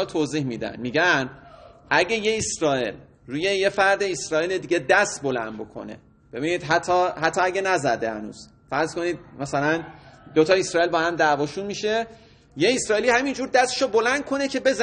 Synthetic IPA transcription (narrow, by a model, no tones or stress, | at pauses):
lt̪ʰoːziːhmiːd̪æ̰nmiːɟænʔæɟeje̞esɾɒːḛl | ɾuːje̞jefæɾd̪e̞esɾɒːiled̪iːɟed̪æst̪bo̞læ̰nd̪̚bo̞̰kʰo̞̰ne̞̰ | b̥e̞biːniːd̪ɦæt̪ʰːɒːhæt̪ʰːɒæɡenæzæd̪ehæ̰nṵːz̥ | fæɾz̥ko̞niːd̪̚mæsælænd̪ot̪ʰɒːesɾɒːilbɒːhæmd̪ævɒːʃunmiʃe | jeesɾɒːelihæmind͡ʒuːɾd̪æst̪e̥ʃobo̞lænd̪̚kʰo̞necʰe̞be̞z